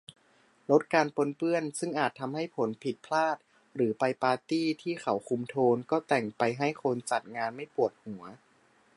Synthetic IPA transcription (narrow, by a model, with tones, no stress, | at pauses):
lo˦˥t̪̚kaː˧npo˧npɯ˥˩ənsɯ˥˩ŋʔaː˨˩t̪ʰːa˧mha˥˩jpʰo˩˦npʰi˨˩t̪̚pʰlaː˥˩t̪̚ | ɾɯː˩˦pa˧jpaː˧t̪iː˥˩t̪ʰiː˥˩xa˩˦wkʰu˧mt̪ʰoː˧nkɔː˥˩t̪ɛ˨˩ŋpa˧jɦa˥˩jkʰo˧nt͡ɕa˨˩t̪̚ŋaː˧nma˥˩jpu˨˩ət̪̚hu˨˩˦ɐ